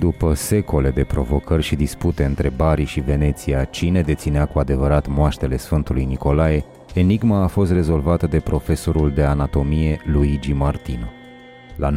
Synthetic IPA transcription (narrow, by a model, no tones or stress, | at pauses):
d̪upəse̞ko̞le̞d̪e̞pɾo̞vo̞kərʲʃid̪isput̪e̞ɨnt̪ɾe̞baɾiʃive̞ne̞t̪siat͡ʃine̞d̪e̞t̪sineakuad̪e̞vəɾat̪moaʃt̪e̞le̞sfɨnt̪ulujniko̞laje̞ | eniɡmaːfo̞st̪re̞zo̞lvat̪əd̪e̞pɾo̞fe̞so̞ɾuld̪e̞anat̪o̞mije̞luid͡ʒimart̪ino | la